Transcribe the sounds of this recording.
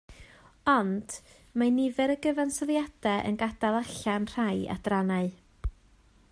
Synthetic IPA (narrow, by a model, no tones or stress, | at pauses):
ɔnd̥ | manɪvɛɾəɡəvansɔðjad̥ɛʔə̰nɡadalˠaɬanr̥aja̰d̥ranaɨ